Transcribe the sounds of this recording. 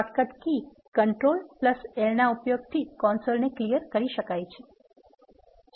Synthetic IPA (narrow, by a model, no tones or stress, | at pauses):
ʈkəʈki | kəɳʈɾolpləselnaupjoɡ̚t̪ʰikɔnsolneklijəɾkəɾiʃəkajt͡ʃʰe̥ | d͡ʒ